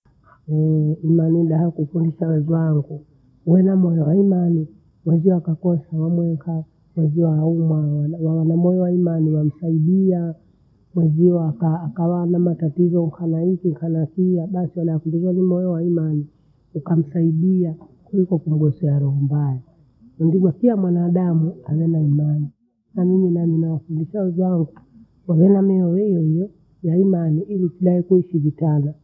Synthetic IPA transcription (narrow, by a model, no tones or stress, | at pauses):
ɔimaniɗahakufundiʃawɛzwaŋɡu | wɛnamɔjɔwaimani | mwɛziɔakakɔsawamwɛŋka | mwɛziɔaumwawwawanamɔjɔwaimaniwam̩saiɗia | mwɛziɔakaːkawanamatatizɔŋkʰanaikiŋkʰanapiaɓasiwaɗakundizanimɔjɔwaimani | ukam̩saiɗiakulikɔkum̩ɡɔsɔaɾɔhɔmbaja | nandimakiamwanaːɗamuawɛnaimani | naniɲinaminawafundiʃawɛzaŋɡu | wawɛnamɛɔwɛijɔhijɔ | jaimaniʔilikiɗaikuiʃivitana